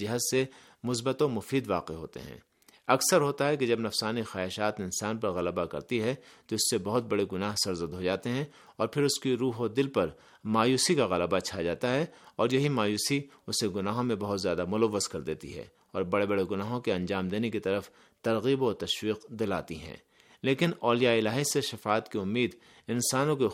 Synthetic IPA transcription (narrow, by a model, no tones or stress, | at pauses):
ɐɦəzse | mʊs̬bət̪õmʊfiːd̪ʋaːqeɦo̰ːt̪ḛɦɛ̰̃ː | ɐksəɾɦoːt̪aɦɛked͡ʒɐbnɐfsaːnixaːɪʃaːt̪neɪnsaːnpɐɾɣɐləbakɐ̰ɾt̪iɦɛt̪oɪsːebɐɦʊt̪̚bɐɽeɡʊnaːɦsɐɾzəd̪ɦod͡ʒaːt̪eɦɛ̃ | ɔːɾpʰɪɾʊskiɾuːɦod̪ɪlpɐɾ | maːjuːsikaɣɐləbat͡ʃʰad͡ʒaːt̪aɦɛɔːɾjɐɦimaːjuːsiʊseɡʊnaːɦõmẽbɐɦʊt̪zjaːd̪amʊləʋːəzkɐɾd̪eːt̪ḭɦɛ̰ː | ɔːɾbɐɽebɐɽeɡʊnaːɦõkiɐ̃ɲd͡ʒaːmd̪eːnekit̪ɐɾəf | t̪ɐɾɣiːbɔːɾt̪ɐʃwiːqd̪ɪla̰ːt̪iɦɛ̰̃ː | leːkɪnɔːlijaɪlaːɦiseʃɐfaːt̪kiʊmːiːd̪ | ɪnsaːnõke